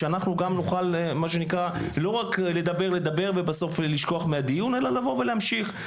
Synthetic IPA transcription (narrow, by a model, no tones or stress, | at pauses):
eanaχnuɡamnuχalmaʃ̬enikʁalo̞ʁakle̞d̪abe̞ʁle̞d̪abe̞ʁvebaso̞fliʃko̞aχmead̪ijune̞lalavo̞ve̞lehamʃiχ